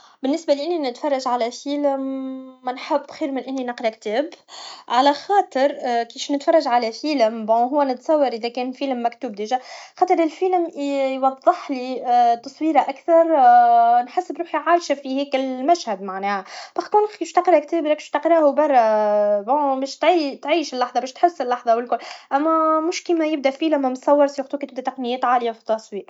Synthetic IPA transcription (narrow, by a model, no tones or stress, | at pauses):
bɪnːɪsbalʔɪnːinɪt̪fɑrˤːɑʒʕalæfiːlɪmːnħəbːxiːɾmɪnʔɪnːinɑqɾik̚t̪ɛːbʕalæxɑːt̪ˤɨɾkiːʃnɪt̪fɑrˤːɑʒʕalæfiːlɪmbɔ̃ɦʊwːænɪt̪sˤɑwːɑɾˤʔɪðækɛːnfiːləmːækt̪uːb̚d̪iːʒæxɑːt̪ˤɨɾɪlfilmjwɑðˤːəħlit̪ɑsˤwiːɾaʔækθɑɾˤ | nħasːəbɾuːħjʕaːɾʃafihɛːkɪlmæʃhæd̪maʕnɛːhab̥ɑxkuːnɪʃt̪ɑqəɾhækt̪ɛːbɾɑkʃt̪ɑqɾˤɑhubɑrˤːɑbɔ̃bɛːʃt̪ʕit̪ʕiːʃɪlːɑħðˤɑbɛːʃt̪ħɪsːɪlːɑħðˤɑwɪlkʊlːʔæmːæmʊʃkiːmæjɪb̚d̪æʔfiːləmmtsˤɑwːɑɾˤsjʊxt̪uːkt̪ɪbd̪æt̪ɑqnɪjːɛːt̪ʕaːlɪjafi̥t̪ːɑsˤwiːʔ